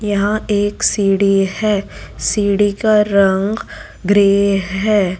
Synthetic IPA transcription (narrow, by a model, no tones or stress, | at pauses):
jɐɦãeːksiːɽihɛːsiːɽikaɾɐ̃ŋɡ | ɡɾeːɦɛː